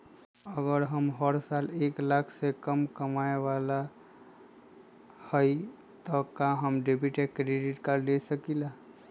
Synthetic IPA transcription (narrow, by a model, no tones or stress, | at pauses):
əɡəɾɦəmɦəɾsaleklakʰsekəmkəmaeʋala | həj | t̪ɔkãɦəmɖebiʈekɾeɖiʈkaɾlesəkila